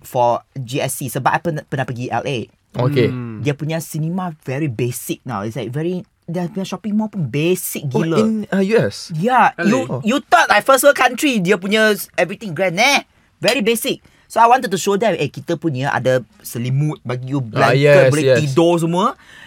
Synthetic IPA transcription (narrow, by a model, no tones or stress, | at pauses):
fɔd͡ʒiɛsisəbaʔapənpənapəɡiɛ̰lʔe | okediəpunasinimavɛɹibesik̚na̰wḭtslaɪk̚vɛɹi | dɛbĩnʃɔpĩŋmɔpũnbesik̚ɡilə̃njuɛsjajujut̪ɔt̚lajfəstwəkãntɹidiəpunəɛvɹit̪ĩŋɡɹɛ̃nːɛ̃ | vɛɹibesik̚ | soajwɔ̃nt̪utːuʃodɛtekit̪əpuniəʔa̰də | səlimut̚bakijublãɛɛuleidos̬omɔ